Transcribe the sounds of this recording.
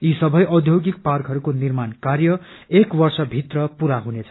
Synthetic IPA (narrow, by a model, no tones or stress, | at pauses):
isʌbʱʌjʔʌd̪ʱjoɡik̚parkɦʌɾukonirmankarjʌ | ekbʌrsʌbʱit̪rʌpuɾaɦunet͡sʰʌ